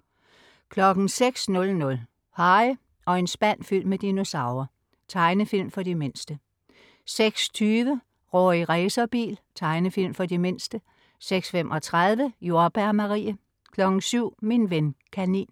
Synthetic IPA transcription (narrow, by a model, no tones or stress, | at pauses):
kʰlɒ̽ɡ̥n̩seɡ̥snɔ̽lnɔ̽l | hɑ̈ɪ | ɒ̽e̝nsb̥æn̰fyl̰mːed̥ino̝sɑ̈ʊɐ | t͡sʰɑ̈ɪnəfil̰mfɒ̽dime̝nsd̥ə | seɡ̥st͡sʰyːʋə | ʁɔ̰ːiʁɛɪsɐb̥ḭːlt͡sʰɑ̈ɪnəfil̰mfɒ̽dime̝n̰sd̥ə | seɡ̥sfemʔɒ̽t͡sʰʁað̞ˠʋəjo̝ɐb̥æɐmɑʁḭːə | kʰlɒ̽ɡ̥n̩syʊ̰minʋenkʰænḭːn